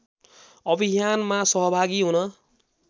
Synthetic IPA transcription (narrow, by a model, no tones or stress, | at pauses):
ʌbʱiɦjanmasʌɦʌbʱaɡiɦunʌ